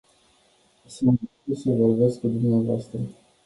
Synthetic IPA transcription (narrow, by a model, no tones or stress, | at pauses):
si | usəvorbeskud̪umneavoast̪ɾə